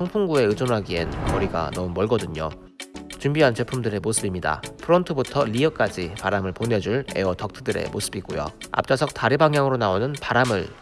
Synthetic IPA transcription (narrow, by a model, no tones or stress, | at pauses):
ʌŋpʰuŋɡue̞ɯd͡ʑʌmɦaɡie̞nkʌɾiɡa̰nʌmumʌɭɡʌdɯɲo | t͡ɕumbiɦant͡ɕe̞pʰumdɯɾe̞mosʰɯbimɲida̰pʰɯɾʌntʰɯbutʰʌʎiʌk͈ad͡ʑipaɾamɯɭpone̞d͡ʑuɭe̞̰ʌtʰʌk̚tʰɯdɯɾe̞̰mosʰɯbiɡojo̰a̰p̚t͡ɕ͈asʰʌk̚t͈aɾibaŋjaŋɯɾonaonɯnpaɾamɯɭ